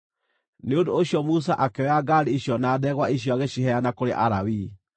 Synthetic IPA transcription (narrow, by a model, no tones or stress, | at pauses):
neondoːɕijɔmus̬aʔakɛɛaɡaːɾiiɕjɔnaːdɛɣwaiɕ̬jɔaɣeɕiɦɛjanakoɾḛʔa̰ɾawiː